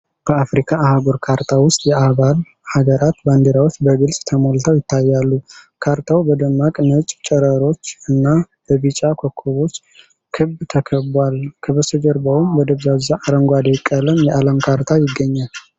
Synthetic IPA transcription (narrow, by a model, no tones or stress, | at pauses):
b̥əafɾikʰaahaɡoɾkʰaɾt̪ʰawʊst̪ʼjɛaβal | haɡəɾat̪band̪eɾawot͡ʃːbəɡɨlsʼt̪ʰəmolt̪ʰəwjɪt̪ʰːajːalːukʰaɾt̪ʰawbəd̪əmːakʼnət͡ʃʼt͡ʃʼɛɾəɾo̞t͡ʃːɨnːab̥əβit͡ʃʼakʰokʰːoβo̞t͡ʃː | kʰɨbt̪ʰəkʰəbwalkʰəβəsəd͡ʒəɾbəwumwɔd̪əβzazaʔaɾəŋɡʷad̪ekʼːələmjɛʔaləmkʰaɾt̪ʰajɪɡːəɲːal